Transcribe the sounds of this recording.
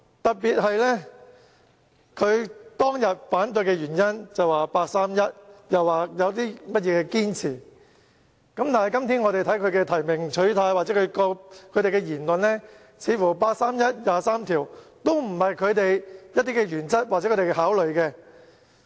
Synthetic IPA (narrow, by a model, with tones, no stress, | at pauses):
t̪ɐ˨t̚piː˨t̚ɦɐ˨jlɛ˥ | kʰɵ˨˧ɥt̪ɔː˥ŋjɐ˨t̚faː˨˥nt̪̬ɵ˧ɥkɛː˧jyː˨˩njɐ˥nt͡sɐ˨waː˨paː˧k̚saː˥mjɐ˥t̚jɐ˨˩waː˨jɐ˨˧wt̪iː˥mɐ˥t̚jɛː˨˧kɛː˧kiː˥nt͡sʰiː˨˩ | kɐ˨˥mt̪aː˨nhɐ˨˩jkɐ˥mt̪ʰiː˥nŋɔː˨˧ɾe˨jt̪ʰɐ˨˥jkʰɵ˨˧ɥkɛː˧t̪ʰɐ˨˩jmɪ˨ŋt͡ʃʰɵ˨˥ɥt̪ʰaː˧jwaː˨t͡sɛ˨˦˥kʰɵ˨˧ɥkɔː˧k̚kʰɵ˨˧jt̪e˨jkɛː˧jiː˨˩nlɵ˨nlɛː˥ | t͡sʰiː˨˥fuː˨˩paː˧k̚saː˥mjɐ˥t̚jaː˨˧saː˥mt̪ʰiː˨˩wt̪o˥wm̩˨˩hɐ˨jkʰɵ˨˧ɥt̪e˨jjɐ˥t̚t̪iː˥kɛ˧jyː˨˩nt͡sɐ˥t̚wa˨˩ɛ˨˦kʰɵ˧˥te˨˩ɦaː˨˥wlɵ˨ɥkɛː˧